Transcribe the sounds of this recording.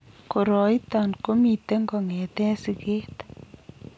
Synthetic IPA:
ko˨ɾɔ˨ji˦t̪a˨nko˦mi˨t̪e˦ŋɡɔ˨ŋɛ˨t̪ɛ˦si˨keː˦t̪

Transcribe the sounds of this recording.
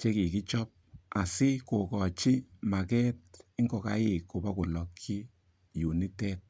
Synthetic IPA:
t͡ʃe˦ki˨ki˦t͡ʃɔ˦p̚a˨sɪ˦ko˨kɔ˨t͡ʃɪ˦ma˨kɛ˦tɪ˦ŋɡɔ˨ka̰˨˦jɪ˨kːo˨ba˦kʊ˨lɔ˨kʰːi˦ | ju˨ni˦tɛ˦t̚

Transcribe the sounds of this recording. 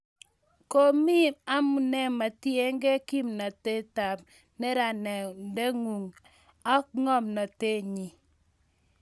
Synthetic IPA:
ko˦mi˦a˦mu˨nɛ˦ma˨ti˦ɛ˦ŋɡɛ˦ki˦mna˨te˦ta˨p̚ | nɛ˦ɾa˨nɛ˨ndɛ˦ŋu˨ŋ | a˦kŋɔ˦mna˨te˦˨ɲi˨

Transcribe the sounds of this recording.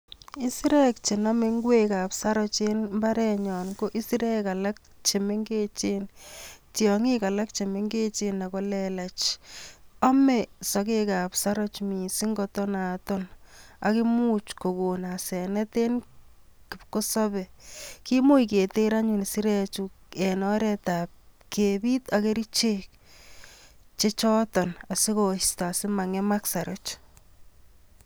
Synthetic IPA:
i˦si˦ɾɛ˦kt͡ʃe˨na˦me˦ŋɡwe˦ka˨psa˦ɾɔ˦t͡ʃe˦nmba˦ɾɛ˨ɲɔ˨nko˦ʔi˦si˦ɾɛ˦ka˨la˦k̚t͡ʃe˨me˦ŋɡe˦t͡ʃe˦ntjɔ˨ŋi˦ka˨la˦kt͡ʃe˨me˦ŋɡe˦t͡ʃe˦na˨kɔ˦lɛ˨la˨t͡ʃ | ɔ˦mɛ˨sɔ˨ke˦ka˨psa˦ɾɔ˦t͡ʃmi˨si˦ŋɡɔ˦tɔ˦na˨tɔ˦na̰kɪ˦mu˦t͡ʃko˨ko˨nasɛ˨nɛ˦te˦n | kɪ˨pko˦sɔ˦bɛ˨ki˦mu˦jke˨te˦ɾa˦ɲu˨n˨si˦ɾet͡ʃukenɔɾɛtap̚kʰeːbi˦take˦ɾi˦t͡ʃek̚ | t͡ʃe˦t͡ʃɔ˦tɔ˨na˨si˦ko˨sta˨asɪ˦ma˨ŋe˦ma˦ksa˨ɾɔt͡ʃ

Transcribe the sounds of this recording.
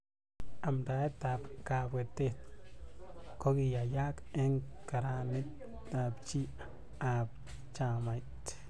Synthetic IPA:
a˨md̪a˧e˦t̪a˨bka˧bɡe˨t̪e˦t̪ | ko˦ɡi˧ja˨ja˦ke˦ŋka˨ɾa˧ni˦t̪ | a˧bt͡ʃi˦ | a˧b | t͡ʃa˧ma˨jt̪

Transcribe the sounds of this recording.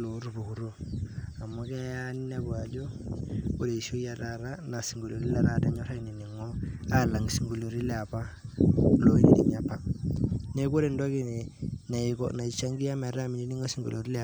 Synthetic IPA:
lo˨˦ɾu˨pu˨ku˨ɾo˦a˨mɔ˦kɛ˦ja˦n˦nɛ˦bwa˨d͡ʒo˦ | o˦˨ɾe˨i˨so˦ja˨ɾa˨ɾa˦na˨si˨ŋɡo˨lo˨ɾi˦la˨ɾa˦ta˦ɲɔ˦ɾa˦ini˨ni˨ŋɔ˦a˦˨la˨ŋi˨si˨ŋɡo˨lo˨ɾi˦lɛ˨a˨pa˦ | lo˦i˦nḭ˨nḭ˨ɲja˨pa˨ne˦ko˦ɾe˨ndɔ˦ki˦ne˨na˨kɔ̰˨na˨i˨˦t͡ʃa˦ŋɡi˦ja˦mɛ˨ɾa˦mi˨ni˦ni˦ŋɔ˦si˨ŋɡo̰˨lʔo˨ɾi˦lɛ˦˨

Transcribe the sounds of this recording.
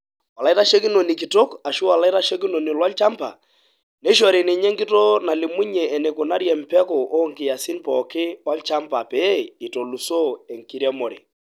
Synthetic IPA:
wa˨la˨i˦ta˦ʃe˦ki˦no˨ni˨kɪ˨to˦ka˨ʃu˦wa˨la˦i˦ta˦ʃe˦k̬i˦no˨ni˨lwa˦lt͡ʃa˦mpa̰˨ | ne˨˦ʃ̬ɔ˨ɾe˨nɪ˨ɲe˦ŋkɪ˦to˦na˨lɪ˨mu˦ɲɛː˨ne˨kʊ˨na˦ɾjɛ˨m̩˨pɛ˦kɔ˨ʔo˦ŋkɪ˨ja˨si˦npɔ̰˨kɪ˦wa˦lt͡ʃa˦mpa˨pɛ˨˦i˨to˨lu˨so˦ɛ˨ŋki˦ɾjɛ˦mo˨ɾḛ˨

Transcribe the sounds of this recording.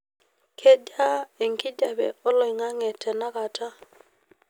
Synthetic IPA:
kʰe˦da˦e˨ŋki˦da˨bɛ̰˨ɔ˦lɔ˨i˨ŋa˦ŋɛ˨tʰɛ˨na˦ka˨tʰa˦

